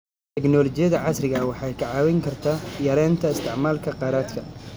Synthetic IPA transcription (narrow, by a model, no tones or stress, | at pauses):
t̪ʰɛknɔlɔt͡ʃɪjɐðɐʕɑsrɪɣɐwɑħɑjkʰɐʕɑːwɛŋkʰɐrt̪ʰaːjɐɾɛːnt̪ʰɐɪst̪ʰɪʕmaːlkʰɐqɑːɾaːd̪kʰɐ